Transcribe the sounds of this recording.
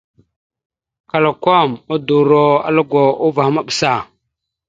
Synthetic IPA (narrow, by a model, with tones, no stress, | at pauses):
ka˨lo˨ko˦mu˦du˨ɾo˦a̰˦lu˦ɡʷo˨u˦va˨hma˦ɓsa˨